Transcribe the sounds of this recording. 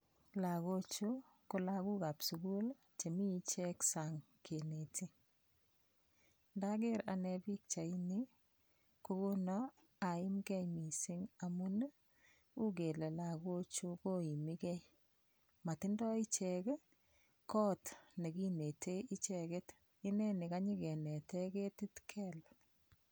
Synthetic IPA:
la˨ɣo˦t͡ʃu˦ | ko˨la˦ku˦ka˨psu˨ɡu˦l | t͡ʃe˨mi˦t͡ʃɛ˦ksa˨ŋ | kʰe˨ne˨ti˦ | nda˦ke˦ɾa˨nɛbi˦k̚t͡ʃa˨i˦ni˦ | ko˦ku˦nɔ˦ | a˨ɪ˦mkɛ˦jmi˨sɪ˦ŋa˨mu˦n˦ | u˦ke˨le˨la˦˨ko˦t͡ʃu˦ko˦i˨mi˦kɛ˦j | ma˨tɪ˦ndɔ˦i˦t͡ʃɛ˨k | kɔ˦tne˨ki˦ne˨tʰe˦i˦t͡ʃɛ˨ke˦t | i˦nɛ˦nɪ˨ka˦ɲi˦kɛ˨nɛ˨tɛ˦ke˦ti˦tkʰɛ˦l

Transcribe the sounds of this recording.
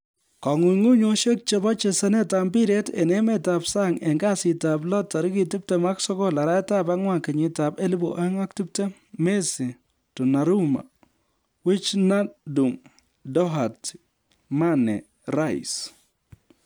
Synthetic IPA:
kɔ˨ŋu˨ŋu˦ɲo˦ʃe˦k̚t͡ʃe˦bɔ˦t͡ʃe˨sɛ˦ne˦ta˦mbi˦ɾe˦tḛ˨ne˦me˦ta˨psa˦ŋe˨ŋɡa˦sɪ˨ta˨b̬lɔ˦ta˨ɾi˦ki˨ti˦p̚tɛ˦ma˦ksɔ˦kɔ˦la˨ɾa˦ta˦ba˦ŋwa˦ke˨ɲɪ˨ta˨be˦li˦bu˨ʔe˦ŋa˦k̚ti˦p̚te˦ | me˦si˨ | tu˨na˨ɾu˦ma̰˨ | wɪ˦t͡ʃna˦du˨ŋ | dɔ˦ɦa˨t | ma˦nɛ̰˨ | ra˦˨j̰s

